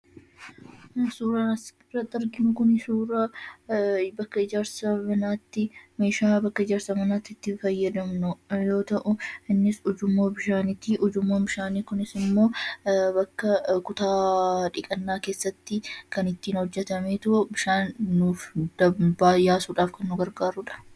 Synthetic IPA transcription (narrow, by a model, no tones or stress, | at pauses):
suːɾɐnɐsɪrːɐt̪ʼːɐɾɡɪnʊkʊnɪsuːɾa | bɐkːɐɪd͡ʒaːɾsɐmɐnaːt̪ːɪme̞ːʃaːbɐkːɐɪd͡ʒaːɾsɐmɐnaːt̪ːɪt̪ːɪfɐjːɐd̪ɐmnʊjo̞ːt̪ɐʔʊɪnːɪsʊd͡ʒʊmːoːbɪʃaːnɪt̪ːiʔʊd͡ʒʊmːoːbɪʃaːniːkʊnɪsɪmːo̞ːbɐkːɐkʊt̪aːᶑɪkʼɐnːaːke̞ːsːɐt̪ːɪkɐnɪt̪ːiːnhɔd͡ʒːɛt̪ɐmeːt̪ʊʔʊbɪʃaːnːuːfd̪̥ɐbaːjaːsuːᶑaːfkɐnːʊɡɐɾɡaːɾʊᶑɐ̥